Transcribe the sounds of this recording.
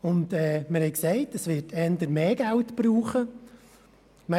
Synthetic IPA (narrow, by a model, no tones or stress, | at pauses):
ʊndɛːməɾhɛɪksɛɪtəsʋɪtʰɛndəɾmeːɡ̥æltb̥ɾuːχə | mɛ